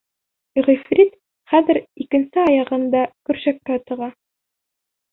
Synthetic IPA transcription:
ʁifrʲit̪ | χæðɘ̆ɾikɘ̆nsɘɑjɑʁɤ̆nd̪ɑkɵ̆ɾʃækːæt̪ɤ̆ʁɑ

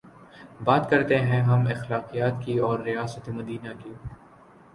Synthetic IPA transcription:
baːt̪kɐɾt̪eɦɛ̃ɦɐmɪxlaːqijaːt̪kiɔːɾːijaːsət̪emɐd̪iːnaki

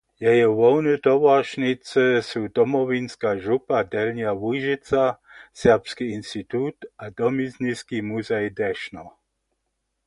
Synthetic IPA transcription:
jɛjɛʋɔwnɛt̪ɔʋaʃnit͡sɛsud̪ɔmɔʋinskaːʒupad̪ɛlɲjaʋuʒɪt͡sasɛʁpskiinst̪it̪ut̪ad̪ɔmizniskimuzɛjd̪ɛʃnɔ

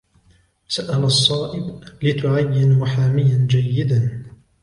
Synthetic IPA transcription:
saʔalɑsˤːɑːʔɪblɪt̪ʊʕajːɪnwaħaːmɪjand͡ʒajːɪd̪a

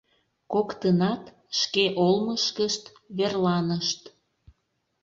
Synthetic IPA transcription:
kokt̪ənɑt̪ | ʃkeʔolməʃkəʃt̪ | βerlɑnəʃt̪

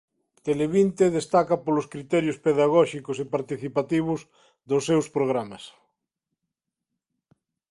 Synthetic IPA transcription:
t̪eleβint̪eðest̪akɐpolʊskɾit̪ɛɾjʊspeðaɣɔʃikʊsepaɾt̪iθipat̪iβ̞ʊz | ðʊsːewspɾoɣɾamɐs

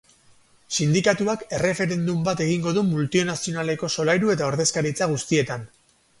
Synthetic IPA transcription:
sind̪ikat̪uake̞re̞fe̞ɾe̞nd̪umbat̪e̞ɣ̞iŋɡo̞ðumult̪ionasio̞nale̞ko̞so̞lajɾue̞t̪ao̞ɾðe̞skaɾit͡saɣ̞ust̪ie̞t̪an

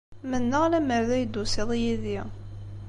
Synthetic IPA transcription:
mənːəʁlæməɾðæjd̪ːusɪðˤijiði

